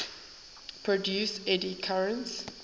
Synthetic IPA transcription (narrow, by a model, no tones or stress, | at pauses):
pʰɹɔdjuːsɛdikʰaɹə̃nts